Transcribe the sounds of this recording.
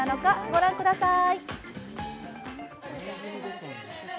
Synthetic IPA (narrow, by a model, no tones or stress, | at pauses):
ano̞kaɡo̞ɾãŋkɯ̟d̪asai